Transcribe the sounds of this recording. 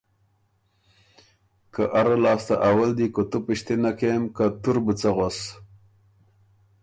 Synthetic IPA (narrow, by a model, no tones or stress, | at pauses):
kaʔaɾalɑːst̪aʔawald̪ikot̪upiɕt̪enakemkat̪uɾbət͡saɣos